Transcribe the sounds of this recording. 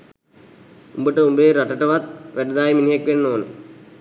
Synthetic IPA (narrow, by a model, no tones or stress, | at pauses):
umbəʈəumbeːɾaʈəʈəʋat̪ʋæɖəd̪aːjiminijekʋenːoːnḛ